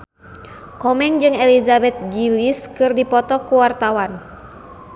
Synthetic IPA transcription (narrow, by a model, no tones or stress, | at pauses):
kɔmɛŋd͡ʒɨŋɛlizabɛt̪̚ɡiliskɨrdipɔt̪ɔkuwart̪awan